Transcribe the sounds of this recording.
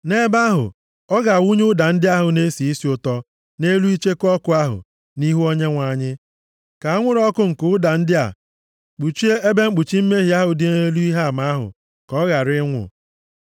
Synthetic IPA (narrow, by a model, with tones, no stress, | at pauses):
ne˦ba˦ɦʊ̰˨ | ɔ˦ɣa˨wu˦ɲʊ˦da˨n̩˦dɪ˦a˦ɦʊ˨ne˦si˨i˦si˨˦ʊ˨tɔ˦ | ne˦lu˦i˦t͡ʃe˦kɔ˦kʊ˨˦a˦ɦʊ̰˨ | ni˦ɦu˦o˦ɲe˦ŋʷa˨ɲɪ˦ | ka˨a˦ŋʷʊ˦ɾɔ˦kʊ˦ŋ̩˨kʊ˦ʊ˦da˨n̩˦dɪ˦a̰˨ | k͡pu˨t͡ʃi˦e˦e˦be˦ŋ͡m̩˦k͡pu˨t͡ʃi˦m̩˦me˦ɦi˨a˦ɦʊ˨dɪ˦ne˦lu˦i˦ɦa˦˨ma˦ɦʊ̰˨ | kɔ˦ɣa˨ɾɪ˦ŋʷʊ̰˨